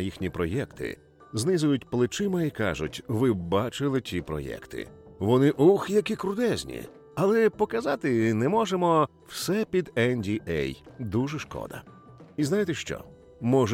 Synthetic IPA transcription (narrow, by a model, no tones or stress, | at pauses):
jixnʲipɾɔjɛkt̪ʰɪ̰ | znɪzʊjʊtʲplˠɪt͡ʃɪmɐikɑ̰ʒʊ̰tʲʋɪbɑt͡ʃɪlˠɪtʲipɾɔ̰jɛ̰kt̪ɪ̰ʋɔnɪʔuxjɐkɪkɾʊd̪ɛzʲnʲḭ | ɐlˠɛpɔkɐzɑt̪ɪnɛmɔʒemɔ | w̥sɛpʲid̪ɛnʲdʲiʔɛ̰jd̪uʒɛʃkɔ̰d̪ɐ̰ | iznajɪt̪ɛʃt͡ʃɔ̰ | mɔʒ